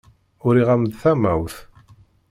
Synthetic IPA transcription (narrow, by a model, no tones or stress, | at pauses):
ʊɾiʁamd̪θæmæwθ